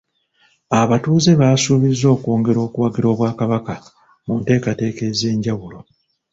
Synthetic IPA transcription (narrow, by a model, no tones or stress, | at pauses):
aβatuːze̞βasuːβizːo̞ːkoːŋɡe̞ɾo̞ːkuwaɡiɾo̞ːβwaːkaβaka | munte̞ːkate̞ːke̞ze̞ːɲɟawulo̞